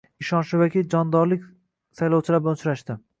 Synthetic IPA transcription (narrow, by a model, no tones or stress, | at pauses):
ɪʃɒnʃɪvakʲid͡ʒɒnd̪ɒɾlɪkʲ | sajlˠɒwt͡ʃʰɪlaɾblaʊt͡ʃɾaʃt̪ɪ